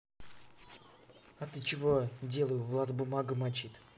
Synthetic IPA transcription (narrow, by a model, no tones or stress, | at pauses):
at̪ɨt͡ʃivodʲelˠəjʊvlˠat̪bʊmaɡɨmat͡ʃit̪